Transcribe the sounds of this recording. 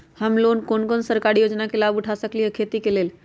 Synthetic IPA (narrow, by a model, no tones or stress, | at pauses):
həmlonkonkonsəɾkaɾijod͡ʒnakelabuʈʰasəklijɦəkʰet̪ikelel